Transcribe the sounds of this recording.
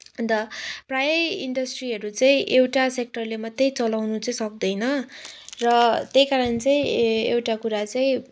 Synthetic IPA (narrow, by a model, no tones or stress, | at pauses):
ʌnd̪ʌprajʌiɳɖʌsʈriɦʌɾut͡saĩʔewʈasek̚ʈʌrlemʌt̪ːʌjt͡sʌlawnut͡sʌĩsʌk̚d̪ʌjnʌrʌt̪jejkaɾʌnt͡sʌĩewʈakuɾat͡saĩ